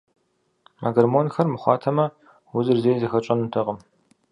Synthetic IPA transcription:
mʔa̰ɡɐrmoːnxɐrmɨχʷɑːtʰɐmɐ | wʊzɨrzeːjzɨxɐt͡ʃʼɐnɨtʰɐʁəm

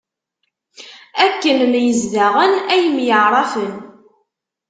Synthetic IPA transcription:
ækːənnjəzðaʁənæjəmjəʕɾˤɑfən

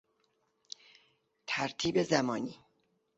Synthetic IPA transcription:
t̪ʰæɾt̪ʰiːbezæmɒːniː

